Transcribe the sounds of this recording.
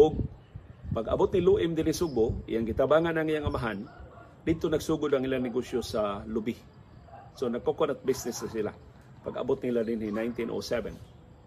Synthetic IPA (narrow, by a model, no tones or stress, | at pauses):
ʔʊɡ̚ | paɡɐ̰bʊt̪̚nɪluʔɪmd̪ɪnhisʊɡ̚bʊʔḭjaŋɡɪt̪abaːŋanaŋijaŋʔamaɦan | d̪ɪd̪̚t̪onaɡsuːɡʊd̪aŋɪlanɪɡosjosalʊbi | sonaɡ̚kokonat̪̚bɪsnɪsasɪla̰ | paɡɐ̰bʊt̪̚nlad̪ɪnhinajnt̪inʔo̰sɛvɛ̰n